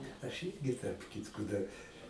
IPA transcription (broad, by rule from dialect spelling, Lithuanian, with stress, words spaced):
ɐʃ ˈɪrʲɡʲɪ tɐrp ˈkʲɪtkoː dɐr